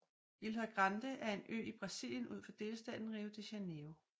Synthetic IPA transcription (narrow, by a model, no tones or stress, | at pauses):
ilɦæɡ̥ʁɑnd̥əʔæɐe̝nø̰ːib̥ʁɑ̈sḭl̰jənʔuð̰ˠfɒ̽d̥e̝ːləsd̥ɛ̰ːð̥n̩ʁiːʊt͡sʰe̝ɕæneo